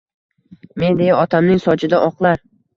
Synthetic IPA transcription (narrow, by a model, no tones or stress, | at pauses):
me̞nd̪e̞jaɒt̪ʰamnɪŋsɒd͡ʒɪd̪aʔɒqlˠaɾ